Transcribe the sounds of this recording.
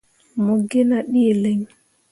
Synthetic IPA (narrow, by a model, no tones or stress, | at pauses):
moɡːinaɗiːleɲ